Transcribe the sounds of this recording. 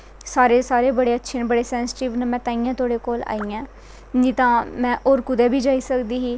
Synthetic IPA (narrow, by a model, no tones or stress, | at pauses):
saːɾeːsaːɾeːbəɽeːətːʃʰeːnbəɽeːsɛːnsʈiːʋnːmɛ̃ːt̪aːijãːt̪ʰoːɽeːkoːla̰ːiːãː | d͡ʒiːt̪ãːmɛ̃ːʔoːɾkʊd̪ɛːbʱiːd͡ʒaːiːsəkd̪iːɦiː